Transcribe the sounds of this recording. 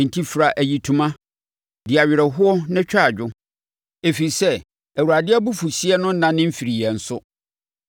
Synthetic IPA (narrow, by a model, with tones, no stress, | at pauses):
n̩˨tʰi˦fɾa˨ʔæ˨ji˨tʰu˦mã˦ | dɪ˨a˨ɥɪ˨ɾɛ˨ɦʊ˦ɔ˦nɪ̃˦t͡ɕᶣaː˦˨d͡ʑᶣʊ˦ | e˨fi˨i˨sɛ˦ | æ˨wu˨ɾa˨dɪ˦ɛ˦bu˦fu˨si˦ɛ˦nʊ̃˦n̩˦nã˦nɪ̃˦m̩˦fi˨ɾi˨jɛ˨n̩˨sʊ˦